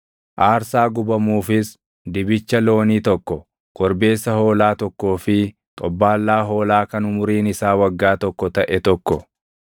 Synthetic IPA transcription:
ʔaːɾsaːɡʊbɐmuːfɪs | d̪ɪbɪt͡ʃːɐlo̞ːniːt̪ɔkːɔ | kɔɾbe̞ːsːɐho̞ːlaːt̪ɔkːo̞ːfɪ | t̪ʼɔbːaːlːaːɦo̞ːlaːkɐnʊmʊɾiːnɪsaːwɐɡːaːt̪ɔkːɔt̪ɐʔɛt̪ɔkːɔ

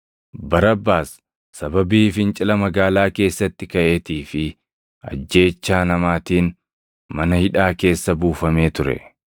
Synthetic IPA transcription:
bɐɾɐbːaːsː | ɐbɐbiːfɪnt͡ʃʼɪlɐmɐɡaːlaːke̞ːsːɐt̪ːɪkɐʔeːt̪iːfɪ | ɐ̰d͡ʒːe̞ːt͡ʃːaːnɐmaːt̪iːn | mɐnɐhɪᶑaːke̞ːsːɐbuːfɐme̞ːt̪ʊɾɛ̰

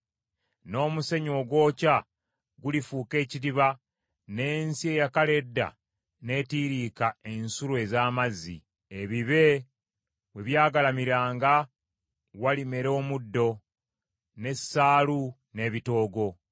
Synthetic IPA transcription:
no̞ːmuse̞ɲo̞ːɡwo̞ːca | ɡulifuːke̞ːciɾiβa | ne̞ːnsie̞jakale̞dːa̰ | ne̞ːtiːɾiːkae̞nsulwe̞zaːmazːḭ | eβiβe̞ | we̞βjaːɡalamiɾaːŋɡa | walime̞ɾo̞ːmudːo̞ | ne̞sːaːlu | ne̞βito̞ːɡo̞

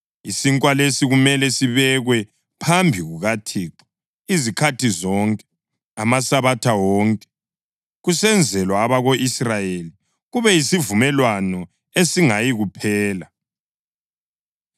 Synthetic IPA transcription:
isiŋkʼwalesiɣumɛlɛsiβɛɣwɛ | pʰambʱiɣuɣatʰiːǁɔ̥ | izikʰatʰizɔŋkʼɛ̥ | amasaβatʰawɔːŋkʼɛ̥ | ɣusɛnd͡zʱɛlwaːβaɣoʔisrajeli | ɣuβɛisivumɛlwanɔ | esiŋajiɣupʰɛːla

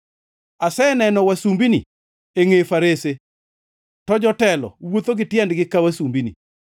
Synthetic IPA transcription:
asɛnɛnɔwasumbinḭ | eŋefaɾese | tɔd͡ʒɔtɛlɔ̰wot̪oɡɪtjɛndɡɪkawasumbinḭ

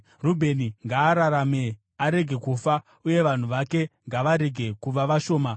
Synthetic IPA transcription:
rubʱe̞niŋɡaːɾaɾame̞ | aɾe̞ɡʱe̞kufa | uje̞ʋan̤uʋake̞ŋɡaʋaɾe̞ɡʱe̞kuʋaʋaʃo̞ːma

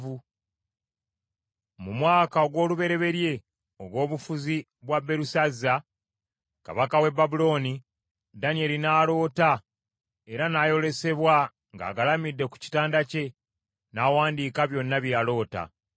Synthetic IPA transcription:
vu | mumwaːkaoɡwo̞ːluβe̞ɾe̞βe̞ɾje̞ | oɡo̞ːβufuzi | βwabːe̞ɾusazːa | ka̰βakawe̞bːabulo̞ːni | danie̞linaːlo̞ːta | e̞ɾanaːjo̞le̞se̞βwa | ŋɡa̰ːɡalamidːe̞ku̥ci̥taːndace̞ | naːwaːndikaβjo̞nːaβialo̞ːta̰

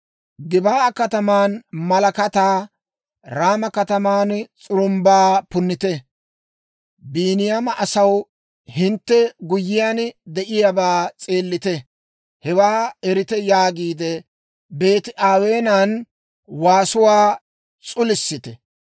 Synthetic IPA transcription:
ɡɪbaːkɐt̪ɐmaːnmɐlɐkɐt̪aː | ɾaːmɐkɐt̪ɐmaːnt͡sʼʊɾʊmbaːpʊnːɪt̪ɛ | biːnɪjamɐʔɐsɐw | hɪnt̪ːɛɡʊjːɪjaːnd̪ɛʔɪjabaːt͡sʼe̞ːlːɪt̪ɛ | hɛwaːɛɾɪt̪ɛjaːɡiːd̪ɛ | be̞ːt̪ɪʔaːwe̞ːnan | waːsʊwaː | t͡sʼʊlɪsːɪt̪ɛ

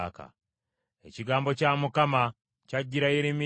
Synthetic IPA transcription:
ka̰ | ḛciɡaːmbo̞camukama | caɟːiɾaiɾimi

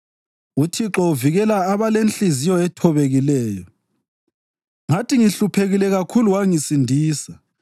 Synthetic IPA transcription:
utʰiǁɔuviɣɛlaaβalenɬizijɔɛtʰɔβeɣilɛːjɔ | ŋatʰiŋiɬupʰeɣilɛɣakʰuluwaŋisindʱiːsa

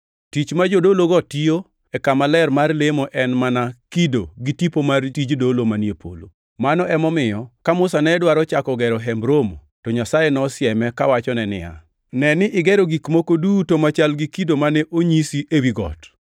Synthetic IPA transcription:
tit͡ʃmad͡ʒodoloɡɔtio | ɛkamalɛrmarlemoʔɛnmanakidoɡitipomartid͡ʒdolomaniepʰo̰lo̰ | manɔʔɛmɔmɪjɔkamʊsanɛdwaɾɔt͡ʃakɔɡɛɾɔɦɛmbɾomo | tɔɲasajenɔsɪɛmɛkawat͡ʃɔnɛnɪ̰ja̰ | nɛnɪʔɪɡɛɾɔɡikmokodutomat͡ʃalɡɪkidomanɛʔoɲisiʔewiɡɔ̰t

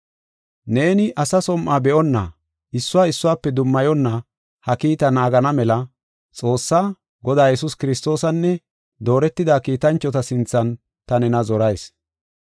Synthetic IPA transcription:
ne̞ːnɪʔɐsɐsɔmʔaːbɛʔɔnːɐ | ɪsːʊwaːɪsːʊwaːpːɛd̪ʊmːɐjɔnːɐ | hɐkiːt̪ɐnaːɡɐnɐmɛlɐ | t͡sʼo̞ːsːaː | ɡɔd̪aːjɛsʊskɪɾɪst̪o̞ːsɐnːɛ | d̪o̞ːɾɛt̪ːɪd̪aːkiːt̪ɐnt͡ʃːɔt̪ɐsɪnt͡sːɐn | t̪ɐnɛnɐzɔɾɐjs

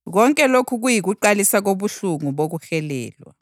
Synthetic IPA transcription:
k̬ɔŋkʼɛlokʰuk̬ujik̬uǃalisak̬oɓuɬuŋuɓok̬uxɛlɛ̰ːlwa̰

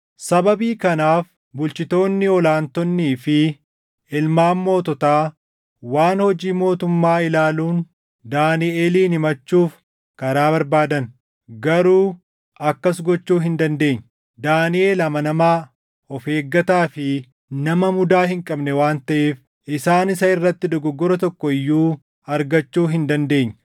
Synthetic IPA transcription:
sɐbɐbiːkɐnaːf | bʊlt͡ʃɪt̪o̞ːnːɪɔlaːnt̪ɔnːiːfɪ | ɪlmaːmːo̞ːt̪ɔt̪aː | waːnhɔd͡ʒiːmo̞ːt̪ʊmːaːɪlaːluːn | d̪aːnɪʔeːliːnɪmɐt͡ʃːuːf | kɐɾaːbɐɾbaːd̪ɐn | ɡɐɾuː | ʔɐkːɐs̬ɡɔt͡ʃːuːɦɪnd̪ɐnd̪e̞ːɲː | d̪aːnɪʔeːlɐmɐnɐmaː | ɔfe̞ːɡːɐt̪aːfɪ | nɐmɐmʊd̪aːhɪŋkʼɐbnɛwaːnt̪ɐʔeːf | ʔɪsaːnɪsɐɪrːɐt̪ːɪd̪ɔɡɔɡːɔɾɐt̪ɔkːɔɪjːuː | ɐɾɡɐt͡ʃːuːɦɪnd̪ɐnd̪e̞ːɲː

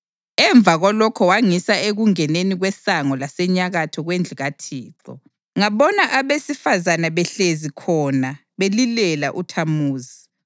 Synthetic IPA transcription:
ɛɱb̪vʱaɣɔlɔkʰɔwaŋisaeɣuŋɛneniɣwɛsaŋɔlasɛɲaɣatʰɔɣwend͡ɮʱiɣatʰiːθʰɔ̰ | ŋaβɔnaʔaβesifazanaβɛɬezikʰɔna | βelilɛlaʔutʰamuːzi

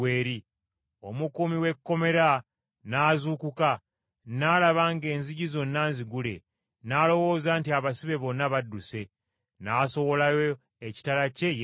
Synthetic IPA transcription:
eːɾi | o̞mukumiwe̞kːo̞me̞ɾa | naːzukuka | naːlaβaːŋɡe̞ːnziɟizo̞nːaːnziɡule̞̰ | naːlo̞wo̞ːzaːntiaβasiβe̞βo̞nːaβadːuse̞ | naːso̞wo̞lajo | eci̥talace̞

